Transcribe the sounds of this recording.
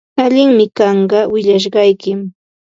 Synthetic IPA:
aʎɪŋmɪkɑɴɢɑwɪʎaʃ̬ɢɑjkɪm

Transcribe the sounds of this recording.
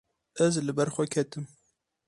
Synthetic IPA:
ɛzlɨbɛɾxʷɛkʰɛt̪ɨm

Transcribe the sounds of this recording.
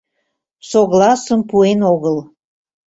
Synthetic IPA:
soɣlɑsəmpuenoɣəl

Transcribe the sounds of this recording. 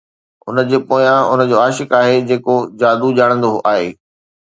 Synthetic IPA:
ʊ̰nə̆d͡ʑeːpoːjãʊnə̆d͡ʑoːaːʃɪkaːɦed͡ʑeːkod͡ʑaːd̪ud͡ʑaːɽ̃ə̃nd̪oʔaːɦeː

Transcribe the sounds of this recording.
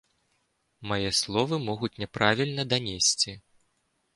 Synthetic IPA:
majɛslˠɔvɨmɔɣut͡sʲnʲɛpɾavʲilʲnɐd̪anʲesʲt͡sʲi

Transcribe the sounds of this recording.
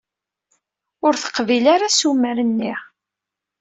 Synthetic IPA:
ʊɾθə̥qvilaɾasuməɾənːi

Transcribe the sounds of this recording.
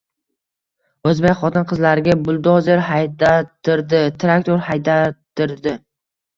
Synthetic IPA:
ɵzbekʲχɒt̪ʰɪnqʰɨzlaɾɪɡʲabʊlˠd̪ɒzeɾɦajd̪at̪ʰːɪɾd̪ɪt̪ʰɾakt̪oɾhajd̪at̪ʰːɪɾd̪ɪ

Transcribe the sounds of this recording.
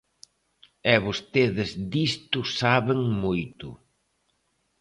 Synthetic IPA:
ɛβost̪eðɪzd̪ist̪ʊsaβeŋmojt̪ʊ̰

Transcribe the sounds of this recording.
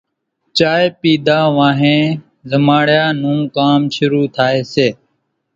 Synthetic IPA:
t͡ʃaːeːpiːd̪ʱaːʋãːɦẽː | zəmaːɽjaːn̤ũːkaːmʃʊɾuːt̪ʰaːeːseː

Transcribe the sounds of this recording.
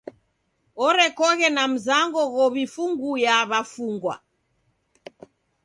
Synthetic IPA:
ɔɾɛkɔɣɛnam̩zaŋɡɔɣɔβifuŋɡujaβafuŋɡwa̰

